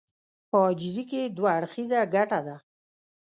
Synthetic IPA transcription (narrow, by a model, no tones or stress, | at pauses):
pəd͡ʒɪziked̪waːɽxizaɡaʈad̪a